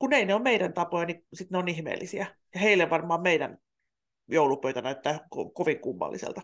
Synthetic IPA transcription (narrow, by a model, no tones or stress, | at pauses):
kuneineommeidænt̪ɑpojɑnisit̪neonihmḛːlːʔisiæ | jɑheilːeʋʋɑrmˑɑːmmeidæn | joulupøyt̪ænæyt̪ːæːko̰koʋiŋkumːɑ̰lːʔḭsḛlt̪ɑ̥